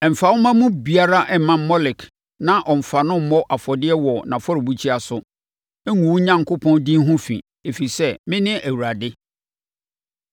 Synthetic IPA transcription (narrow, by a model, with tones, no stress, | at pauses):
ɛ˨m̩˨fa˨wʊ˦mã˦mũ˦bi˨a˦ɾa˦ʔɛ˦m˨mːã˦m˦mɔ˦lɪ˨kʰ | nã˦ʔɔ̃˨m̩˨fa˨nʊ̃˦m̩˨mɔ̃˦ʔa˨fɔ˨dɪ˦ɛ˦wɔ˨nã˨fɔ˦ɾɪ˨bu˦t͡ɕʰi˦a˨sʊ˨ | ɛ˦ŋ˦ũ˨wʊ˦ɲã˦ŋkʰʊ˦pʰɔ̃˦ndĩ˦ɦʊ̃˦fḭ̃˨ | e˨fi˨sɛ˦mɪ̃˦nɪ̃˦ʔæ˨wu˨ɾa˨dɪ˦